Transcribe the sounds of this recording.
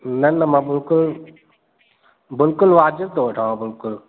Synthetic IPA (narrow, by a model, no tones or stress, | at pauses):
nənəmãːbɪlkʊl | bɪlkʊlʋaːd͡ʒɪbt̪ʰoːʋəʈʰaːãːbɪlkʊl